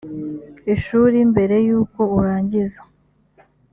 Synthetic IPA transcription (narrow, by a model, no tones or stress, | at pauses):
iʃuːɾimbe̞ɾe̞juːko̞uɾaːɲɟiza